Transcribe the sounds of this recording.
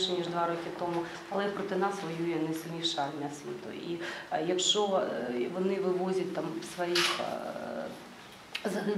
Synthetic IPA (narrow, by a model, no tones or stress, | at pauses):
ʃɛnʲiʒd̪ʋɑɾɔkʲɪt̪ɔmʊ | ɐlˠɛpɾɔt̪ɪnɑsʋɔjujɛnɛsɪlʲnʲiʃɐlʲnʲɐsʲʋʲḭt̪ʊ̰ijɐkʃt͡ʃɔʋɔnɪʋɪʋɔzʲɐt̚ʲt̪ɑmʋsʋɔjix | zɐɦ̪ɐ